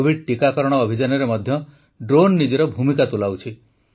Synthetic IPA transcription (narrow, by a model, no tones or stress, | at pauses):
bʱiɖ̚ʈikakɔɾɔɽ̃ɔːbʱid͡ʒanɔɾemɔd̪ʱjɔ | ɖɾonːid͡ʒɔɾɔbʱumikat̪ulawt͡ʃʰi